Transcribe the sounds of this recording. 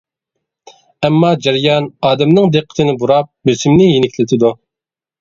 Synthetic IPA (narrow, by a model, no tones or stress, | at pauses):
ɛmːɑd͡ʒæɾjɑnɑːd̪ɛmnɨŋd̪eqʰːə̥t̪ʰɪnɪbuɾɑp̚bɪsɪmnɪjinɪk̪ʲʰlɪt̪ʰɪd̪u